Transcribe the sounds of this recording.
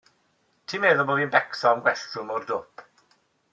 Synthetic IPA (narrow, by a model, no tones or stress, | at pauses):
tʰiːmeːðɔboːvinbɛksɔmnɡwɛɬtʊmɔrdʊpʰ